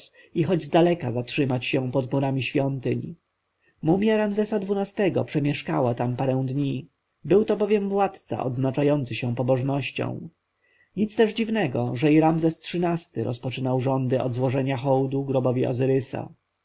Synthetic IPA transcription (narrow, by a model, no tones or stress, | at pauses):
s | ixɔd͡ʑzd̪alɛkazatʂɘmat͡ɕɕɛ̃pɔd̪muɾamʲiɕfʲjɔnt̪ɘɲ | mumʲjaɾamzɛsad̪vunast̪ɛɡɔ̰pʂɛmʲjɛʂkawat̪ampaɾɛ̃w̃d̪ɲi | bɘwt̪ɔbɔvʲjɛmvwat̪t̪sa̰ʔɔ̰d̪znat͡ʂajɔnt̪sɘɕɛ̃pɔbɔʐnɔɕt͡ɕɔ̰̃w̃ | ɲit̪st̪ɛʐd͡ʑivnɛɡɔʐɛiɾamzɛstʂɘnast̪ɘɾɔ̰spɔt͡ʂɘnawʐɔnd̪ɘʔɔ̰d̪zwɔʐɛɲaxɔwd̪uɡɾɔbɔvʲiɔ̰zɘɾɘsa̰